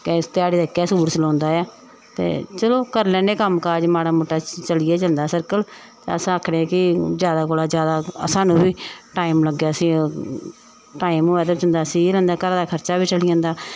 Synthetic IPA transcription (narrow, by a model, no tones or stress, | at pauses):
kst̪ɪaːɽiːd̪eːkːɛːsuːɾsəlɔ̃ːnd̪aːaː | t̪ḛːt͡ʃəloːkəɾlɛ̃ːneːkəmkaːd͡ʒmaːɽaːmoːʈːaːt͡ʃəlɪjeːd͡ʒənd̪aːsəɾkəl | t̪ḛəsãəːkʰɽẽːãːkɪzjaːd̪aːkoːlaːd͡ʒjaːd̪aːəsãːnũːbiːʈaːimləɡːjaːəsĩː | ʈaːimɦoːaːt̪od͡ʒə̃nd̪aːsĩːlɛ̃ːnd̪aːkəɾaːd̪aːkʰəɾt͡ʃaːbiːt͡ʃəlijãːnd̪aː